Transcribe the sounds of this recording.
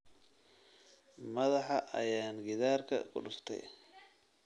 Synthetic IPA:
mɐðɑħɑʔɐjaːnɡɪðaːrkʰɐ̰kʰʊ̰ɖʊst̪ʰɛ̰j

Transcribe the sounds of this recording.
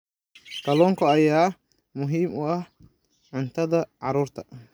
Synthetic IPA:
kɐlɔːŋkʰɐɐjaː | mʊɦiːmʊɐh | ʕʊnt̪ʰɐðɐʕɑɾuːrt̪ʰɐ̥

